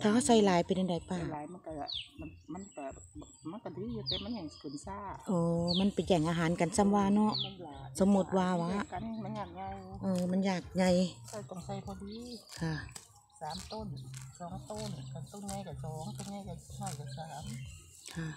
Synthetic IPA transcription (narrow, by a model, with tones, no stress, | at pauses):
t̪ʰaː˧a˧˩sa˧˩jlaː˨˦jpa˨ne˧nda˨˩˦jpaː˧˨˧aː˨˦ma˧˨nka˧˩˧ma˧ma˧˥˨nka˧˩ | ma˧˨nka˧˩di˧˦˧t̪ɛː˧ma˧˥˨ɲa˧˩kʰɯː˨˩nsaː˧˩ʔɔː˨˧˩ma˧˥˨npa˨˩jt͡ɕɛ˨˧˩ŋʔaː˧ɦaː˨˦nka˨nsa˧˨mwaː˧nɔ˧˥˨ʔso˨˧˦mːu˧˥t̪̚waː˧waː˧˥ʔn˧a˧njaː˨˩k̚ɲa˧ʔɤː˧˩ma˧˥˨njaː˧˨˩k̚ɲa˧˩jka˧˩t̪ɔ˧˩ŋsa˧˩jbʰɔ˧diː˧kʰa˧˩ | saː˨˦mt̪o˧˥˨nsɔː˨˦ŋt̪o˧˥˨nka˧˩t̪o˧˨nɲa˧˨jka˧˩sɔː˨˦ŋt̪ɔ˧˩ŋɲa˧˩jka˧˩˧hɔ˧˩jka˧˩saː˨˦m | kʰa˧˩